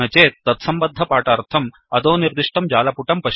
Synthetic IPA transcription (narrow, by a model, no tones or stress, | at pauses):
ɐt͡ʃeːt̪ːɐt̪sɐmbɐd̪ʱːɐpaːʈaːɾt̪ʰɐm | ɐd̪oːniɾd̪uʂʈɐmd͡ʒaːlɐpuʈɐmpɐʃ